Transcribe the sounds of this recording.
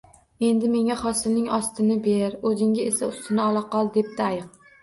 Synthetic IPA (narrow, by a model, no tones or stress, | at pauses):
e̞nd̪ɪme̞ŋaχɒsɪlnɪŋɒst̪ɪnɪbe̞ɾɵzɪŋɡʲaesaʊst̪ʰɪnɪɒlˠɑqɒlˠd̪e̞p̚t̪aajɨq̚